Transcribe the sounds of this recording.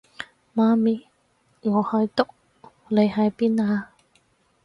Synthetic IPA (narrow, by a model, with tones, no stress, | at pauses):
maː˧miː˨˧ | ŋɔː˨˧hɵ˧jt̪ʊ˧˥k̚ | le˨˧jɦɐ˨˧jpiː˦˥naː˧